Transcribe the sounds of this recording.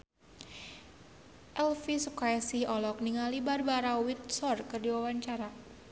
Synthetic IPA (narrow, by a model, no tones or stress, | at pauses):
ʔɛlfisukaasihɔlɔk̚niŋalibarbaɾawit̪̚sɔrkɨrdiwawaɲt͡ʃaɾa